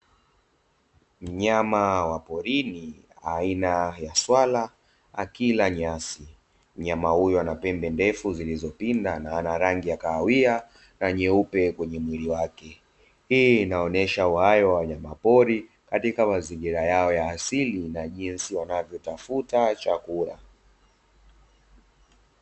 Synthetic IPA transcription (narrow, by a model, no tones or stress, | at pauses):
m̩ɲamawapɔɾini | a̰inajaswala | a̰kilaɲasi | m̩ɲamahujɔanapɛmbɛndɛfuzilizɔpindanaanaɾaŋɡijakaːwia | naɲɛupɛkwɛɲɛmwiɾiwakɛ | hiːnaɔnɛʃauhajɔwaaɲamapɔɾi | katikamaziŋɡiɾajaɔjaːsilinaʄinsiwanavjɔtafutat͡ʃakuɾa̰